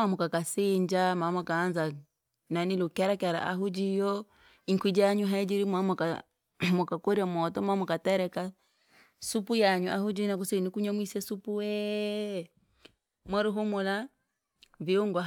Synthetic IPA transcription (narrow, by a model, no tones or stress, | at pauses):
amukakasiɲd͡ʒamamɔkaːnza | nanilukɛɾakɛɾa̰ʔa̰ɦud͡ʒijɔ | iŋkid͡ʒaɲuɦaid͡ʒiɾimamuka | mɔkakɔɾiamɔtɔmamɔkatɛɾɛka | supujaɲuʔahud͡ʒinak̬usiinikuɲɔmwisɛsupuwɛ | mwɛɾuɦumula | viuŋɡɔ